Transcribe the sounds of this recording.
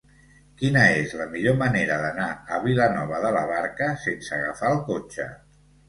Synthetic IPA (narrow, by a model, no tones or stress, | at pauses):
kinəezləmiʎoməneɾəðənaəβilənɔβ̞əðələβaɾkəsensəɣəfaəlˠkot͡ʃə̰